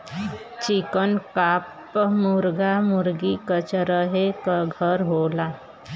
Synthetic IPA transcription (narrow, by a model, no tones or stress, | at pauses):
t͡ʃikənkap | muɾɡamuɾɡikət͡ʃɾəɦekəɡʱəɾɦoːla